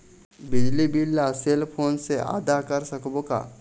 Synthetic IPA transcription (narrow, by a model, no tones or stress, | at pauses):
bɪd͡ʒlibilːaseːlpʰoːnseʔa̰ːd̪akɐɾsɐkbõka̰ː